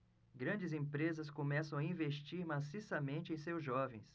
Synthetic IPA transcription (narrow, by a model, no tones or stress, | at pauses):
ɡɾɐ̃d͡ʒɪzẽpɾezɐskõmɛsɐ̃w̃aĩveʃt͡ʃiɾmasisɐmẽnt͡ʃɪẽj̃sewzʒɔvẽj̃s